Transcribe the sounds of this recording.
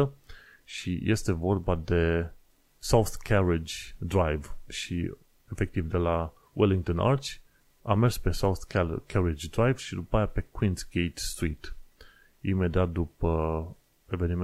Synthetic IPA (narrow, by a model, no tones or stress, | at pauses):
ə | ʃḭje̞st̪e̞vo̞rbad̪e̞ | sawθkʰaɾid͡ʒd̪ɾajvʃḭ | efe̞k̚t̪ivd̪e̞la | wʔeliŋɡt̪ona̰rt͡ʃʲ | amerspe̞sawθkkʲʰaɾid͡ʒʲd̪ɾajv̥ʃid̪upajape̞kwinsɡejt̪st̪ɾit̪ | ḭme̞d̪iat̪̚d̪upə | e̞ve̞nim